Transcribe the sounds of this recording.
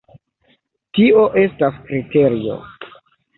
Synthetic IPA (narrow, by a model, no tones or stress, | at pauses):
tio̞ʔe̞staskɾite̞ɾio̞̰